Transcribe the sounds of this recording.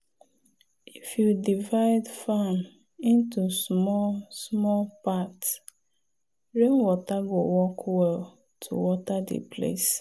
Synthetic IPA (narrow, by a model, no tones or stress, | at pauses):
ifjudivaɪdfan | ĩntusmɔsmɔlpats | ɹẽŋwɔtaɡowɔkʰwɛl | tʰṵwɔtadḛpʰlḛs